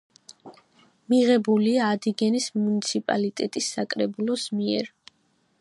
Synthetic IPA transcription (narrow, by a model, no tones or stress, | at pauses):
miʁɛbuliaːd̪iɡɛnismunit̪sʰipʼa̰lit̪ʼɛt̪ʼisːakʼɾɛbulˠɔsmiɛ̰ɾ